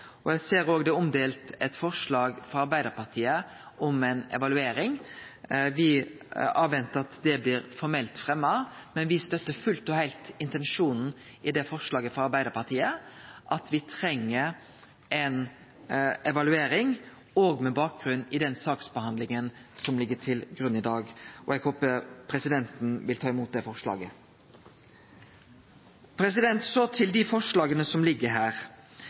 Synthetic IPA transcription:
ɔjæɪseːɾoːɡd̪ɛɔmd̪eːlt̪ɛt̪fɔʁʂlɑːɡfɔɾɑɾbæɪd̪əɾpɑʁt̪ʰiːə | ʔɔmɛnɛ̰ʋɑlʉeːɾɪŋ | ʋɪ | ɑːʋʋɛnt̪əɾɑt̪d̪ɛblɪːɾfɔɾmɛlt̪fɾɛmːɑmɛnʋɪst̪œt̪ːəfʉlt̪ɔhæɪlt̪ɪnt̪ɛnʂuːnn̩ | ɪd̪ɛfɔʁʂlɑːɡəfɔɾɑɾbæɪəɾpɑʁt̪iːəʔɑt̪ʋɪt̪ʰɾɛŋːəɾ | ʔɛn | ɛʋɑlʉeːɾɪŋ | oːɡmɛbɑːk̚ɡ̥ɾʉnːɪd̪ɛnsɑːksbəhɑnd̪lɪŋənsɔmlɪɡːəʈʰɪlɡɾʉnːɪd̪ɑːɡɔ̰ɛɡhoːpəpʰɾɛsɪd̪ɛnt̪n̩ʋɪlt̪ʰɑːɪmuːt̪̚d̪ɛfɔʁʂlɑ̰ːɡə | pʰɾɛsɪd̪ɛnt̪sɔt̪ʰɪld̪ɪfɔʂlɑːɡənəsɔmlɪɡːəɾɦæːɾ

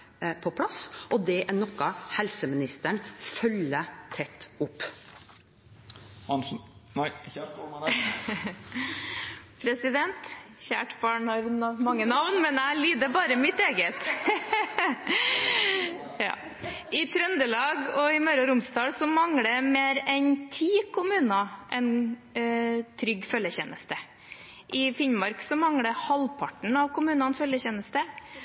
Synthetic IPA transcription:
pʰɔpʰlɑsʔɔd̪ɛʔæɳɔkːɑhɛlsəmɪnɪst̪əɳfœlːət̪ʰɛt̪ːʊpː | ɑ | pʰɾɛsɪd̪ɛnt̪çæːʈbɑːɳhɑɾmɑŋːənɑʋnmɛnæliːd̪əbɑːɾəmɪt̪eːɡət̪ | jɑ̰ː | ɪt̪ʰɾœnd̪əlɑːɡɔɪmœʏɾɑɾʊmsd̪ɑːlsɔmɑŋɽəmeːɾɛnt̪ʰiːkʰʊmʉːnɑʔɛn | t̪ʰɾʏɡfœljəçɛnəst̪ə | ʔɪfɪnmɑɾksɔmɑŋɽəhɑlpʰɑʈəɳ̩ɑʋkʰʊmʉːnɑnfœljəçɛnəst̪ə

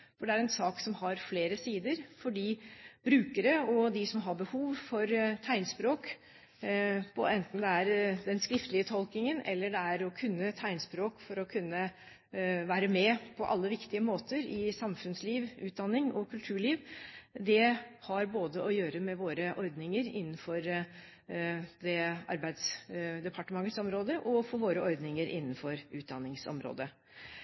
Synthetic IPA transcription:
fɔɖɛæɾɛnsɑːksɔmhɑɾfleːɾəsiːd̪əɾfɔɖiːb̥ɾʉːkəɾəɔd̪ɪsɔmɦɑbəhuːʋfɔɾt̪ʰæɪnspɾoːk | pʰɔɛnt̪n̩d̪ɛæɾd̪ɛnskɾɪft̪əlɪət̪ʰɔlk̪ɪŋənɛ̰lːəɖɛæɾɔkʰʉnːət̪ʰæɪnspɾoːkfɔɾɔkʰʉnːə | ʋæːɾəmɛpʰɔʔɑ̰lːəʋɪkt̪ɪəmoːt̪əɾɪsɑmfʉnsliːʋʉːt̪̚d̪ɑnːɪŋɔkʰʉlt̪ʰʉːɭiːʋd̪ɛhɑɾboːd̪əʔɔjøːɾəmɛʋoːɾəʔɔɾd̪nɪŋəɾɪ̰nːn̩fɔɾ | d̪ɛɑ̰ɾbæɪd̪sd̪ɛpʰɑʈəmɑŋːət̪sɔmɾoːd̪əʔɔfɔʋoːɾəʔɔɾd̪nɪŋəɾʔɪ̰nːənfɔɾʉːt̪̚d̪ɑnːɪŋsɔ̰mɾo̰ːd̪ə

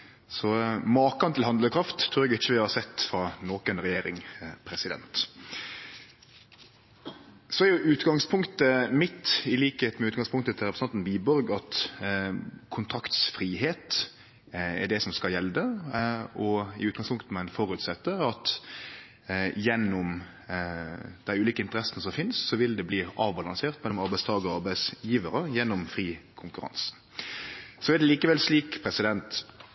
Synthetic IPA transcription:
sɔmɑːkɑnt̪ɪlhɑnd̪ləkʰɾɑft̪ʰːɾʉːɾɛɡɪt͡ʃːəʋɪhɑɾsɛt̪ːfɾɑnoːkənɾɛjeːɾɪ̰ŋpʰɾɛsɪd̪ɛ̰nt̪ | sɔæɾjʊʔʉːt̪ɡɑŋspʰʊŋkt̪əmɪt̪ɪliːkəheːt̪mɛʉːt̪̚ɡɑŋspʊŋk̚t̪ət̪ʰɪlɾɛpɾəsɑnt̪nbiːbɔɾɡɑt̪ | kʰʊnt̪ʰɾɑkt̪sfɾiːheːt̪ | ɛ̰ɖɛsɔmskɑljɛld̪ə | ɔɪ̰ʉːt̪̚ɡɑŋspʰʊŋkt̪əmɛɛnfɔɾʉt̪sɛt̪ːəɑt̪ | jɛnːɔm | d̪̥æɪʉːliːkəɪnt̪əɾɛsːənəsɔmfɪnssɔʋɪld̪ɛbliːɾɑːʋbɑlɑŋseːʁt̪mɛlɔmɑɾbæɪst̪ʰɑːɡəɔɑɾbæɪsjiːʋəɾəjɛnːɔmfʁiːkʰʊŋkʉɾɑ̰ns | sɔɛd̪ɛliːkəʋɛlsliːkpʰɾɛsɪd̪ɛnt̪

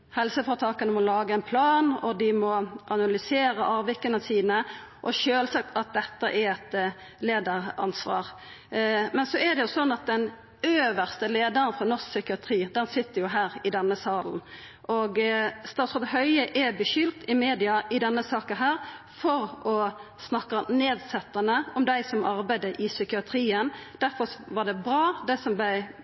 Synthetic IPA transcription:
hɛlsəfɔɾt̪ʰɑːkənəmɔlɑːɡəɛnpʰlɑːnɔd̪ɪmɔʔɑnɑlʏseːɾəʔɑːʋɪkːənəsiːnə | ʔɔʃøːlsɑk̚t̪ɑt̪̚d̪ɛt̪ːəʔɛɾɛt̪ | leːd̪əɾɑ̰nsʋɑ̰ːʁ | mɛnsɔɛd̪ɛjʊsɔnːɑt̪̚d̪ɛn | øːʋəʁst̪əleːd̪əɾənfɾɔnɔsksʏkɪɑt̪ʰɾiːd̪ɛnsɪt̪ːəɾjʊɦæːɾɪd̪ɛnːəsɑːln̩ | ʔɔɡst̪ɑːt̪sɔd̪hœʏəʔɛbəʃʏlt̪ɪmeːd̪ɪɑʔɪd̪ɛnːəsɑːkənɦæːɾ | fɔɾɔ | snɑkːɑneːd̪sɛt̪ːɑnəɔmd̪æɪsɔmɑɾbæɪd̪əʔɪsʏkɪɑt̪ʰɾiːənd̪̥æɾfɔɾʋɑd̪ɛbɾɑːd̪ɛsɔmblæɪ

